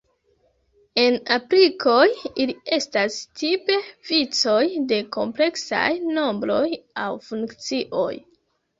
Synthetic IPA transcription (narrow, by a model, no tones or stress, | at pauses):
e̞napɾikʰo̞jilie̞stastʰipe̞v̥it͡so̞jde̞ko̞mple̞ksa̰jno̞mbɾo̞jawfuŋkt͡siʔo̞̰j